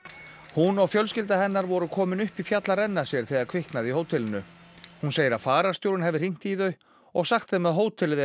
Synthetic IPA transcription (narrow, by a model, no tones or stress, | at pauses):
hunɔɣfjœlscɪlt̪̬aɦɛnːaɾvɔɾʏkʰɔːmɪnʏhpifjat̪laɾɛnːaɾ̥sjɛɾ̥θɛɣaɾkʰvɪhknaðiɦoːwt̪ʰɪlɪnʏhunseːjɪɾaðfaːɾaɾ̥st̪joːwɾɪnɦɛvɪr̥iŋ̥t̪iːðœɥ | ɔɣsaxt̪θemɛðɦoːwt̪ʰɪlɪð